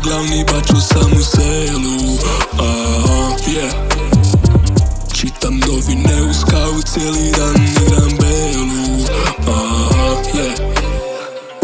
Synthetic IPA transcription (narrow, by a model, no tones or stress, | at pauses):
ɡlawnibat͡ʃusamusɛ | luaafjɛ | t͡ʃit̪and̪ɔbinɛuskaut̪sjɛlid̪aniɾanbɛlu | aafjɛ